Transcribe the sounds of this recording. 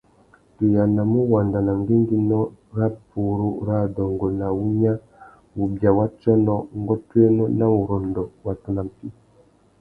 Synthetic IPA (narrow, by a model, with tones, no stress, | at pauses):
tu˨ja˨na˨mu˦wa˨nda˨na˨ŋɡe˦ŋɡi˦nɔ˦ɾa˦pu˨ɾu˦ɾa˦dɔ˨ŋɡo˨na˨wu˦ɲa˦ | wu˨bja˨wa˦t͡ʃɔ˦nɔ˦ŋ˦ɡɔ˦twe˦nɔ˦na˦wu˨ɾo˨ndɔ˨wa˨tu˦na˨m˨pi˦